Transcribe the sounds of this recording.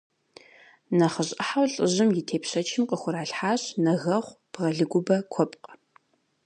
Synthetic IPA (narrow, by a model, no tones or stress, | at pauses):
nɐχəɕʼɐħawɬʼəʑɪmjɪtʰeːpɕɐt͡ʃʰɪmqəxʷʊɾaːɬħaːɕnɐɣɐχʷb̥ʁɐɮɨɡʷʊbɐkʷʰɔpʼqʼ